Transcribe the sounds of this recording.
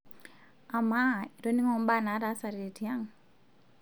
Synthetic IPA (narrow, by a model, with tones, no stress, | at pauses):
a˨ma˦i˨ɾo˦ni˦ŋɔ˨m˦ba˦na˨˦ɾa˦sa˨ɾe˨ti˨ja˦ŋ